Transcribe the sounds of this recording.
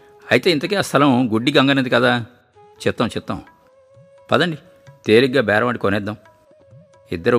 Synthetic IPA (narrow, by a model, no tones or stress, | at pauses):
ɐjit̪eːint̪ɐkiːɐst̪ʰɐlɐmɡuɖːiɡɐŋɡɐned̪ikɐd̪aː | t͡ʃɛpt̪ːaːwt͡ʃɛpt̪ːa̰w | pɐd̪ɐɳɖi | t̪eːliɡːaːbɛːɾɐʋɐɳʈikonɛd̪ːɐm | ḭd̪ːɐɾu